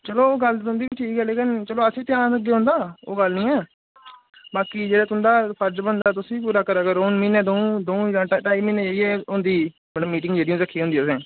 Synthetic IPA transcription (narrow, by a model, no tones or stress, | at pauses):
t͡ʃəloːɡəlʊ̃nd̪iːʈʰiːkɛːleːkɪnt͡ʃəloːəsĩːt̪jãːnəɡeːɦõːnd̪aːo̰ːɡəlnĩːɛː | baːkiːd͡ʒeːɽaːt̪ʊnd̪aːpʰəɾd͡ʒbəɳd̪aːt̪ʊsĩːp̬uːɾaːkəɾaːɡəɾʊnminẽːd̪oũd̪oũd͡ʒãːʈaːiːmiːneːd͡ʒaːiɛːʊnd̪iː | bəɽaːmiːʈɪ̃ŋɡd͡ʒeːɽijũːd̪əkʰːiːɦõnd̪iːsẽː